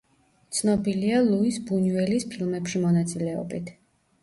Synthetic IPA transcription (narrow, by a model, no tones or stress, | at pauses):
t̪sʰnɔbilialˠuisbunuɛlispʰilˠmɛpʃimɔnat̪sʼilɛɔ̰bit̪ʰ